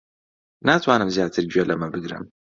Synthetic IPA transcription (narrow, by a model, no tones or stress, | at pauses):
naːt̪ʰwaːnɨmzjaːt̪ʰɨɾd͡ʒɥelɐmɐbɨɡɾɨ̰m